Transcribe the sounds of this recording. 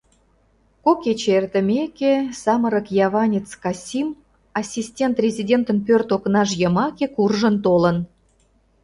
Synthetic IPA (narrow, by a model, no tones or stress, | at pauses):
koket͡ɕert̪əmʲekesɑməɾəkjɑβɑnʲet͡skɑsʲim | ɑsʲisʲtʲent̪rʲezʲidʲent̪ənpørt̪oknɑʃjəmɑkekurʒənt̪olən